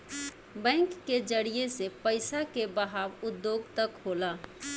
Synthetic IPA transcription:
bɛ̃ŋkːed͡ʒəɽijesepəɪsakebəɦabud̪ːjoɡt̪əkɦola

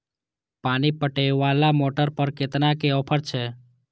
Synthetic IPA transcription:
paːnipəʈeʋalamoːʈəɾpəɾket̪nakeɔːpʰəɽt͡ʃʰeː

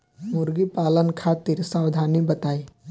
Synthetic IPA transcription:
mʊɾɡipaːlənkʰaːt̪ɪɾsaːwd̪ʱaːnibət̪aːi

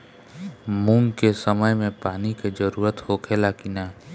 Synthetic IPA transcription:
mũːŋɡkesəməjmẽpaːniked͡ʒəɾuːɾət̪hokʰelakinaː

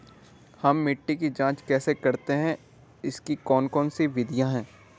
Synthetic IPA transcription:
hɐmːɪʈːikid͡ʒãːt͡ʃkɛːsekɐɾt̪eɦɛ̃ | ɪskikɔːnkɔːnsiʋɪd̪ʱijaɦɛ̃ː

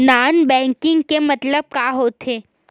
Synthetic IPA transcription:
naːnbɛ̃ːŋkɪ̃ŋɡkemɐt̪ləb̚kaːɦoːt̪ʰeː

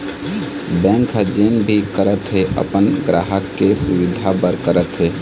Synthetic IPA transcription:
bɛ̃ŋkɦd͡ʒenbʱikəɾət̪ɦeʔə̰pənɡɾaɦəkːesuʋid̪ʱabəɾkəɾət̪ɦe

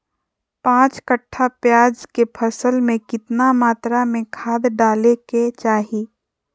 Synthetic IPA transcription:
pãːt͡ʃkəʈʰːapjaːd͡ʒkepʰəsəlmẽkɪt̪namaːt̪ɾamẽkʰaːd̪ɖaːleket͡ʃaːɦiː

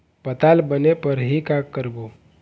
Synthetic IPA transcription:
pət̪aːlbənepəɾɦikakːəɾbo

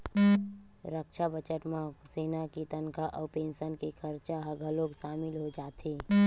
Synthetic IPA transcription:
ɾəkʃabət͡ʃəʈmãseːnakit̪ənkaʔɔːpẽːnʃənkikʰɐɾt͡ʃaɦɐɡʱəloːkʃaːmɪlɦod͡ʒaːt̪eː

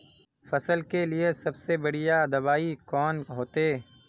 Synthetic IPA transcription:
fɐsəlkelɪesɐbsebɐɽ̤ijad̪ɐbaːikɔːnɦoːt̪eː

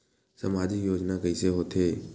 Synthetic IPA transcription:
səmaːd͡ʒɪkjoːd͡ʒnakəɪseɦot̪ʰeː

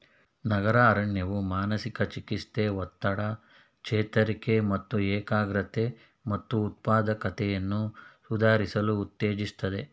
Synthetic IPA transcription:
nɐɡɐɾaːɾɐɳjɐʋumaːnɐsikɐt͡ʃikist̪eʋɔt̪ːɐɽɐ | kt͡ʃɛːt̪ɐɾikemɐt̪ːuɛːkaːɡɾɐt̪e̞ | mɐt̪ːuːt̪̚paːd̪ɐkɐt̪ʰɛjɐnːusud̪ʱaːɾisɐluːt̪ːeːd͡ʒist̪ɐd̪e̞

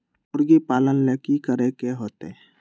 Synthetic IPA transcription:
ʊɾɡepaːlənlekikəɾekeɦoːt̪eɛ

